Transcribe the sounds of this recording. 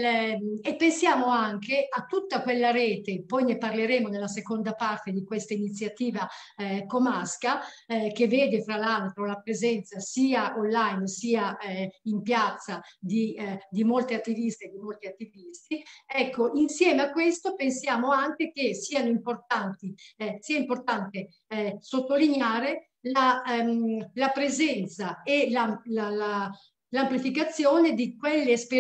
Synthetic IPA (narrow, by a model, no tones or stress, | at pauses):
epːensjaːmoaŋkeʔat̪ːut̪ːakwelːaɾeːt̪epɔjneparleɾeːmonelːas̬ekond̪apart̪ed̪ikwest̪ainit̪sːjat̪iːva | komaskak̟evːeːd̪efɾalalt̪ɾolapɾezɛnt̪sasiːaʔonlajnsiːaimpjat̪sːad̪id̪imolt̪iat̪ːivist̪eed̪imolt̪iat̪ːivist̪iɛkːoʔinsjɛːmeakːwest̪opensjaːmoaŋk̟ek̟esiːanoimport̪ant̪isiːaimport̪ant̪e | sot̪ːolinjaːɾe | la | lapɾezɛnt̪saelalala | lamplifikat̪sːjoːned̪ikwelːespe